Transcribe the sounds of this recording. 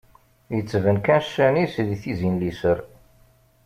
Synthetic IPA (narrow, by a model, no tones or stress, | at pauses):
jət͡sːvənkænʃːænisðiθizinlisəɾ